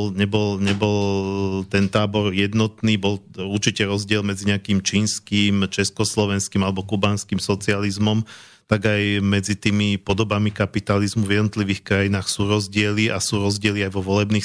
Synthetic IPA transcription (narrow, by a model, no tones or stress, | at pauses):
lɲɛbɔlɲɛbɔlt̪ɛnt̪aːbɔɾjɛd̪nɔt̪niːbɔl | uɾt͡ʃicɛɾɔzɟɪɛlmɛd͡ziɲɛakiːmt͡ʃiːnskiːmt͡ʃɛskɔslɔʋɛnskimalɛbɔkubaːnskimsɔt͡sializmɔm | t̪aɡajmɛd͡zit̪iːmipɔd̪ɔbamikapit̪alizmuvjɛd̪nɔt̪liʋiːxkɾajinaːxsuːɾɔzɟɪɛliʔa̰suːɾɔzɟɪɛliajʋɔʋɔlɛbniː